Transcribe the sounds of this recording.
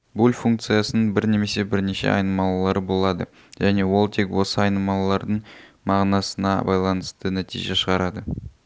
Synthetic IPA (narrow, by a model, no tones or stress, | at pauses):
bulʲfuŋkt̪sɨjasənəɴbɪɾne̞me̞se̞bɪɾne̞ʃe̞̰ʔɑ̰jnəmɑlˠlˠɑɾəbo̞lˠɑd̪ə̰ | ʒæne̞wo̞lˠt̪ʰe̞kwo̞səɑjnəmɑlˠlːˠɑɾd̪əɴ | mɑʁnɑsənɑ̰bɑjlˠɑnəst̪ənæt̪ʰḭjʒe̞ʃəʁɑɾɑd̪ə